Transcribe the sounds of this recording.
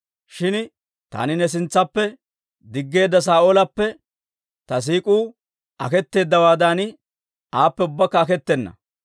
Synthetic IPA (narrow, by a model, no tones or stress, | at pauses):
ʃɪn | t̪a̰ːnɪnɛs̬ɪnt͡sːɐpːɛ | d̪ɪɡːe̞ːd̪ːɐs̬aːʔolɐpːɛ | t̪ɐs̬iːkʼuː | ɐkɛt̪ːe̞ːd̪ːɐwaːd̪anɪ | ʔaːpːɛʊbːɐkːɐːkɛt̪ːɛnːɐ̰